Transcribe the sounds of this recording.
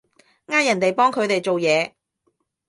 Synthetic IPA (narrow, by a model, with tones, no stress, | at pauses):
ŋaː˥t̚jɐ˨˩nt̪e˨jpɔː˥ŋkʰɵ˨˧ɥt̪e˨jt͡ʃo˨wjɛː˨˧